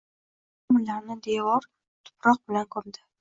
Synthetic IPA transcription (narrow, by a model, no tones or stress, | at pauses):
mɪlaɾnɪd̪evɒɾ | t̪ʰʊ̥pɾɒq̚bɪlankʰɒmd̪ɪ